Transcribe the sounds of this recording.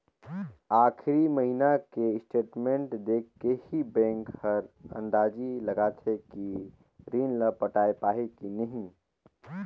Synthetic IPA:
aːkʰɾiməɦinakeɪsʈeːʈmẽɳʈd̪eːkʰkːehibɛ̃ːŋkhəɾə̰̃nd̪aːd͡ʒiləɡaːt̪ʰeki | ɾiːnləpəʈaːepaːɦekinəɦĩ

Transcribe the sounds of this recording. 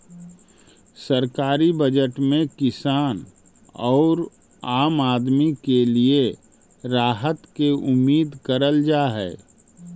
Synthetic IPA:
səɾkaːɾibəd͡ʒəʈmẽkɪsaːn | ɔːɾ | aːmaːd̪mikelie | ɾaːɦət̪keʊmːiːd̪kəɾəld͡ʒaːɦɛː

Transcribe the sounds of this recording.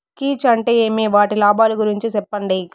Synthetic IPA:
kiːt͡ʃɐɳʈeːeːmeʋaːʈilaːbaːluɡuɾiɲt͡ʃisɛpːɐɳɖi

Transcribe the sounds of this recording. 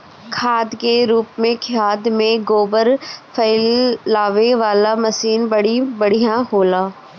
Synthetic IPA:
kʰaːd̪keɾuːpmẽkʰjaːd̪mẽɡoːbəɾfʰəɪlːaːʋeʋaːlamɐsiːnbɐɽibɐɽ̤ijãɦoːlaː

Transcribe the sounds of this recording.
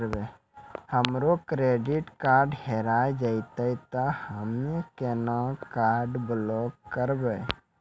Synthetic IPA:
ɾbe | həmɾokɾeɖiʈkaɾɖheɾaed͡ʒaɪt̪əjt̪ɔhəmekenakaɾɖblɔkːəɾbə

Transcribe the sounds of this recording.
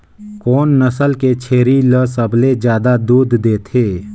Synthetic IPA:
kɔːnːəsəlket͡ʃʰeːɾiləsəbled͡ʒjaːd̪ad̪uːd̪ːeːt̪ʰeː

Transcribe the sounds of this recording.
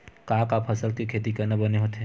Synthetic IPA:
kaːkaːpʰɐsəlkikʰeːt̪̬ikɐnɐbɐneɦoːt̪ɦɛ̃

